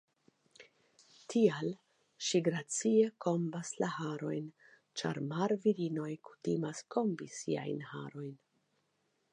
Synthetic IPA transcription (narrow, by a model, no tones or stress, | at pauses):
tʰial | ʃiɡɾat͡sie̞kʰo̞mbaslahaɾo̞̰jn | t͡ʃa̰ɾmaɾviɾino̞jku̥timaskʰo̞mbisḭa̰jnha̰ɾo̞jn